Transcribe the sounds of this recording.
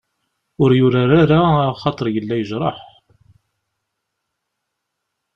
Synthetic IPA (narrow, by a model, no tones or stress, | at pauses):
ʊɾjʊɾaɾaɾaχɑt̪ˤəɾˤjəlːæjəʒɾˤɑ̰ħ